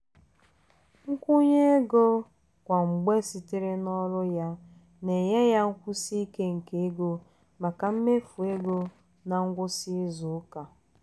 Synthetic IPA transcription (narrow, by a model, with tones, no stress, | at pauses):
ŋ̩˦kʷu˦ɲe˦e˦ɡo˦ | kʷa˨ŋ͡m̩˨ɡ͡be˦si˨ti˦ɾe˦nɔ˦ɾʊ˦ja˦ | ne˨je˦ja˦ŋ̩˦kʷʊ˦si˦i˦ke˦ŋ̩˨ke˨e˦ɡo˦ | ma˨ka˨m̩˦me˦fu˨e˦ɡo˦ | na˨ŋ̩˦ɡʷʊ˦si˦zʊ˨˦ka˨